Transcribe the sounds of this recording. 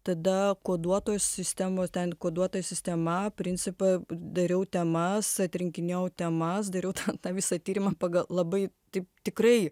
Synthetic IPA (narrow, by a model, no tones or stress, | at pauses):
t̪ɐd̪ɐkoːd̪uɔt̪oːjssʲɪsʲt̪ʲæmoːst̪ʲɛnkoːd̪uɔt̪oːjɛsʲɪsʲt̪ʲɛmɐpʲɾʲɪnʲt͡s̪ʲɪpɐd̪ɐɾʲɛʊt̪ʲɛmɐsɐt̪ʲɾʲɪŋʲkʲɪnʲɛːɛʊt̪ʲɛmɐsd̪ɐɾʲɛʊt̪ʰɐt̪ɑːʋʲɪsɐt̪ʲiːɾʲɪmɐpɑːɡɐlˠlˠɐbɐɪ | t̪ɐɪpt̪ʲɪkrɐɪ